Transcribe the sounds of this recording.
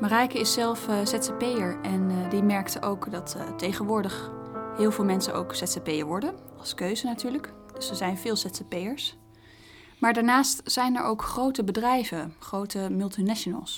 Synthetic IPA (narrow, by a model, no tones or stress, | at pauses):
marajkəɪsɛlˠfsɛtsepejəɹɛndimɛɹktəʔowkdɑttejχənʋʊːɹdəχɦɪːlˠvɪːlˠmɛnsəno̰wksɛtsepejəɹʋɔɹdəɑlˠskøɥzənatyːɹləkd̥ɵsəzɛjnvɪːlˠsɛtsəpejəɹs | maːɹdaːɹnaːstz̥ɛjnɛ̰ɹʔowkχrowtəbədrɛjvəχrowtəmɵlˠtinɛʃonə̰lˠs